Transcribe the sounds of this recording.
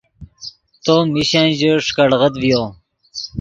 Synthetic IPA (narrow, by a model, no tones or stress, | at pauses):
t̪omiɕãnʑəʂkəɽʁət̪vijo